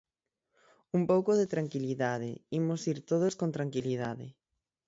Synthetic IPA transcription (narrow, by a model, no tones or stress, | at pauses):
umpowkoðet̪ɾaŋkiliðað̞ḛimosiɾt̪oð̞oskont̪ɾaŋkilið̞aðɪ̰